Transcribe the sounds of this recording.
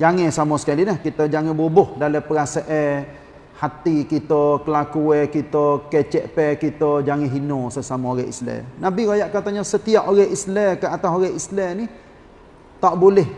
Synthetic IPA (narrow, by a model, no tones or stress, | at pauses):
d͡ʒaŋɛ̃samɔsə̥kalinahkit̪əd͡ʒaŋɛ̃bubʊhdaləpəɾasaʔɛ | hat̪ikit̪ɔkəlakuɛkit̪okɛt͡ʃɛʔpɛkit̪od͡ʒaŋɛ̃ɦinosəsamooɾəḭslɛ̰nabiɾajaʔkat̪aɲɔsət̪iaʔoɾɛislɛkəat̪asoɣəhislɛni | t̪aʔbulɛh